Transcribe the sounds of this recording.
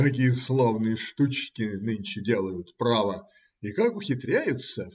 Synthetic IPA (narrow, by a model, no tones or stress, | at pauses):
kɐkʲijəslˠovnɨjəʂt̪ut͡ɕkʲɪnɨnʲt͡ɕɪdʲe̞lˠəjʊt̪pɾavə | ikakʊxʲɪt̪ɾʲæjʊt̪sə